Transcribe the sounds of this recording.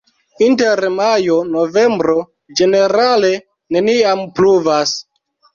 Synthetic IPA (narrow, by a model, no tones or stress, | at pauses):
inteɾmajo̞no̞ve̞mbɾo̞ | d͡ʒe̞ne̞ɾale̞ | ne̞niampluvas